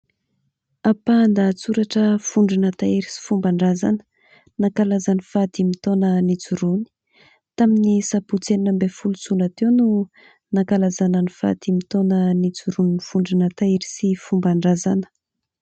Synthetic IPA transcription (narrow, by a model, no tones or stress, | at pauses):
apand̪at͡suɾaʈ͡ʂəfuɳɖ͡ʐinat̪aeɾisi̥fumbaɳɖ͡ʐazanə̥ | nakalazanifat̪imit̪onənit͡suɾuni̥ | t̪aminisaput͡sennəmbefulut͡sunat̪ewnu | nakalazananifa̰t̪imit̪onənit͡suɾuninifuɳɖ͡ʐinat̪aeɾi̥sifumbaɳɖ͡ʐazanə̥